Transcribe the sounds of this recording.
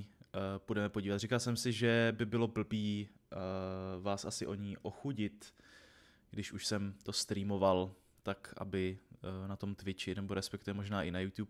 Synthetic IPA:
pudɛmɛpo̞ɟiːvat̪r̝ikalsɛmsɪʒɛbɪbɪlo̞bl̩biː | vaːsʔasɪʔo̞ɲiːʔo̞xuɟɪt̪ | ɡ̥dɪʃuʃsɛmt̪o̞st̪ɾiːmo̞val | t̪akʔa̰bɪnat̪o̞mt̪vɪt͡ʃɪnɛboɾɛspɛkt̪uvɛmo̞ʒnaːʔɪnajuːt̪juːp

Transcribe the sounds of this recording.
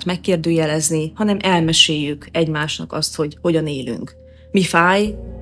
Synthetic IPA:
t̪mɛkːeːrd̪øːjɛlɛznihɒnɛmʔɛlmɛʃeːjːykɛɟmaːʃnɒ̰kɒst̪ho̞ɟho̞ɟɒneːly̰ŋk | mifaːj

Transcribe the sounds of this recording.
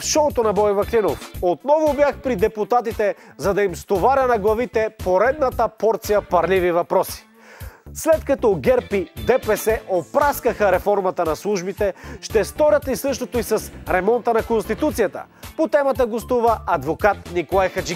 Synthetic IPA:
fʃɔt̪onɐbɔjɛvɐklinofot̪nɔvobjaxpɾid̪ɛput̪at̪it̪ɛzɐd̪ɐimst̪ovaɾʲənɐɡlˠɐvit̪ɛpoɾɛd̪nət̪əpɔɾt̪sijəpɐɾlivivɐpɾɔsi̥ | slɛt̪kɐt̪ɔɡɛɾpid̪ɛpɛsɛʔopɾaskəxəɾɛfɔɾmɐt̪ənɐslˠuʒbit̪ɛʃt̪ɛst̪ɔɾʲət̪lisɤʃt̪ot̪oisɐsɾɛmɔnt̪ənɐkonst̪it̪ut̪sijət̪ə̰ | pot̪ɛmɐt̪əɡost̪uvəɐd̪vokat̪nikolˠajxɐt͡ʃi

